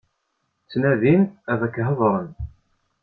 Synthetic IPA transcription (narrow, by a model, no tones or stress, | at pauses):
t͡sːnæðinævækːɦəðˤɾˤən